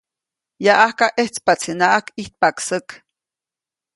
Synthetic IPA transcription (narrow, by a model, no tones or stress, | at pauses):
jaʔahkaʔeht͡spat͡sʰinaʔakiht̪̚paksək